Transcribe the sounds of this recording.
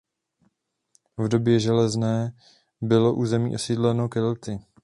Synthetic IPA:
vdo̞bjɛʒɛlɛznɛː | bɪlo̞ʔuːzɛmḭːʔo̞sidlɛnokɛlt̪ɪ

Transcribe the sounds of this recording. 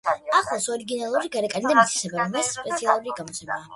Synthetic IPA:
aχlˠasɔɾiɡinalˠuɾiɡaɾɛkʼanid̪amit̪sʰi̥sɛbaɾɔbasːpʼɛt̪sʰialˠuɾiɡamɔsʰʼɛbaː

